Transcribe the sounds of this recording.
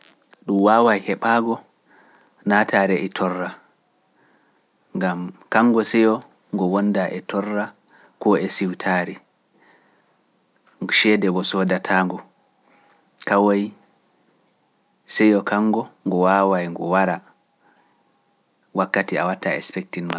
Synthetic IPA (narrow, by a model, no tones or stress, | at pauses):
ɗumwawajhɛɓaːɡɔ | natʰaːɾɛʔɛtʰɔrːa | ŋɡamkaŋɡɔsɛjɔ | ŋɡɔwɔndaʔɛtʰɔrːa | kɔɛsiwtʰaɾi | ʃɛdɛbɔsɔdatʰaːŋɡɔ | kawoj | sɛjɔkaŋɡɔŋɡɔwawajŋɡɔwaɾa | wakːatia̰watːaɛ̰spɛk̚tinma